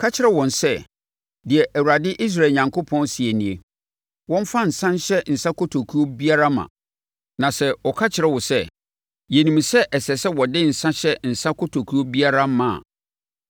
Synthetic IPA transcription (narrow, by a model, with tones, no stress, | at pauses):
kʰa˦t͡ɕʰɪ˨ɾɛ˦wɔ̃˨nsɛ˦ | dɪ˨ɛ˨ʔæ˨wu˨ɾa˨dɪ˦ʔi˦s̬ɾa˨ɲã˨ŋkʰo˦pʰɔ̃˦nsi˨e˨nĩ˨e˨ | wɔ̃˦m˦fa˦n̩˨sã˦n˦ɕɛ˦n̩˨sã˦kʰo˦tʰo˨kʰu˦o˦bi˦a˦ɾa˦mã̰˨ | nã˨sɛ˦ɔ˨kʰa˦t͡ɕʰɪ˨ɾɛ˦˨wɔ˨sɛ˦ | jɛ˨nĩ˨m˨sɛ˦ʔɛ˨sɛ˨sɛ˦wɔ˨dɪ˦n̩˨sã˦ɕɛ˦n̩˨sã˦kʰɔ˦tʰo˨kʰu˦o˦bi˦a˦ɾa˦mã˨a̰˨